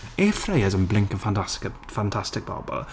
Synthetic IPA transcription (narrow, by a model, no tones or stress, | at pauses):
eːfɹeɪəzə̃nblɪ̃ŋkə̃nfãnas | fãntʰastɪk̚b̥ɑ̰ːbə̰